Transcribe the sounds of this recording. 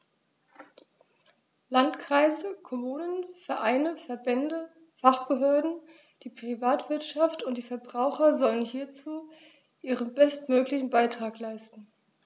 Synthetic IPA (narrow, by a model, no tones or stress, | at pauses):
lantkʁ̥aɪzəkʰɔmuːnənfɛɐʔaɪnəfɛɐbɛndə | faχb̥əɦøːɐdn̩ | d̥iːpʁ̥ivaːtv̥ɪɐtʃaftʊntd̥iːfɛɐbʁaʊxɐzɔlənhiːɐt͡suː | ʔiːʁənbɛstmøːklɪçn̩baɪtʁ̥aːklaɪstn̩